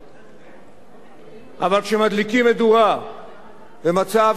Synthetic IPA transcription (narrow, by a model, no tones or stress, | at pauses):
ʔavalkʃemad̪likimːed̪ua | vemat͡sav